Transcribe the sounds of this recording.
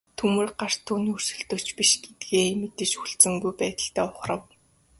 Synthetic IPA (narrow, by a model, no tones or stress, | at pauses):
t̪ʰumɘ̆rɢar̥t̪ʰuːnursɵ̆ɬt̪oːt͡ɕpiʃɡ̥et̪̚ɡeːmet̪ɘ̆ʃuɬt͡sɘ̆ŋɡujpæːt̪ə̆ɬt̪æːʊχrə̆w